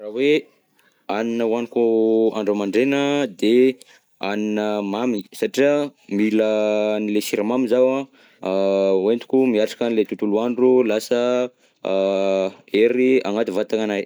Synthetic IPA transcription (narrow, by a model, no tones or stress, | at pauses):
rawe | aninəwanikuaɳɖ͡ʐamaɳɖ͡ʐenəd̪e | aninəmamisaʈ͡ʂiamilənilesiɾamamizawa | went̪u̥kʲumiaʈ͡ʂḁkanilet̪ut̪uluaɳɖ͡ʐulasə | eɾia̰ŋat̪ivat̪aŋanaj